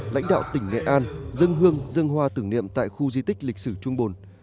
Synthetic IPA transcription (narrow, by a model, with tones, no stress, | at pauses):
la̰˧˥jŋ̟ɗa̰ː˧˨wt̪ï˧˩ŋ̟ːɛ̰˧˨ʔaː˧nzə˧ŋɦɨ˧əŋzɨ˧əŋɦwaː˧t̪ɨ˨˧˩nḭ˧˨əmt̪a̰ː˧˨jxu˧zi˧t̪ï˦˥k̟̚lï˨˩k̚sɨ˧˩t͡ɕʊ˧ŋ͡mɓo˨˩n